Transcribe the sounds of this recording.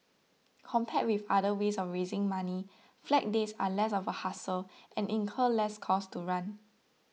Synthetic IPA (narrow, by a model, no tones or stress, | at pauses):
kʰɔ̃mpʰɛt̚wifadəwesɔfɹezɪ̃ŋmãni | flɛk̚desalɛsɔfəhasəlʔɛ̃nʔĩŋkʰəlɛskʰɔstuɹãn